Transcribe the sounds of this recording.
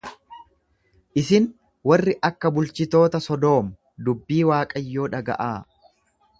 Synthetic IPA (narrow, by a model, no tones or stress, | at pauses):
ʔɪsɪn | wɐrːɪʔɐkːɐbʊlt͡ʃɪt̪o̞ːt̪ɐsɔd̪o̞ːmɐ | d̪ʊbːiːwaːkʼɐjːo̞ːᶑɐɡɐ̰ʔaː